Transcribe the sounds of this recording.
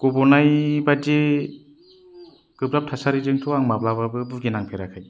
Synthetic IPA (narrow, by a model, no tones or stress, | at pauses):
ɡ̥ɔbɔnajbad͡ʒe | ɡ̥ɯbɾap̚tʰasaɾizɯŋtʰɔaŋmaplababɯbɯɡenaŋpʰeɾakʰaj